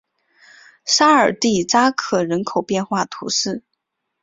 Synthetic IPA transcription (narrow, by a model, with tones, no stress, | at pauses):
ʂa˥ə˞˨˩t̪i˥˩ʈ͡ʂa˥kʰɤ˨˩ɻə˧˥nkʰo˨˩ʊpjɛ˥˧nxwa˥˩t̪ʰṵ˧˥ʂɻ̩˥˩